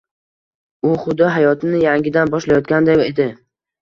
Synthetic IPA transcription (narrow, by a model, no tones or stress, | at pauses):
ʊχʊd̪ɒɦajɒt̪ʰɪnɪjaŋɡʲɪd̪anbɒʃlajɒt̪kʲand̪aed̪ɪ